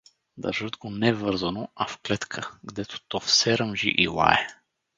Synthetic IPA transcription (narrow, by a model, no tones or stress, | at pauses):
d̪ɐ̰ɾʒəd̪ɡonɛvəɾzənoafklɛt̪kʰəɡd̪ɛt̪o̥t̪ɔfsɛɾəmʒḭʔilˠa̰ɛ